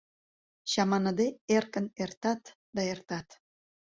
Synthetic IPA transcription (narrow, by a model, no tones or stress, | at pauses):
ɕɑmɑnəd̪eerkənert̪ɑt̪ | d̪ɑert̪ɑt̪